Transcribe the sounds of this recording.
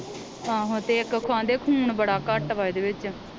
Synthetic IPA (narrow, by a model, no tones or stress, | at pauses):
ãːɦõːt̪eːɪkkʰʊãːnd̪eːkʰuːɳbəɽaːkəʈʋaːid̪eːʋɪt͡ʃ